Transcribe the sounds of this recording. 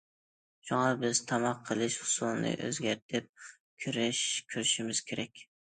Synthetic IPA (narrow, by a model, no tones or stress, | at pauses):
ʃʊŋɑbɪz̥t̪ʰɑmɑqʰːəlˠɪʃhʊ̥sʊlˠnɪ̰ʔø̰zɡʲaɾt̪ʰɪp̚ | kʲʰyɾɪʃkʲʰyɾɪʃɪmɪz̥kʲʰeɾɛkʲ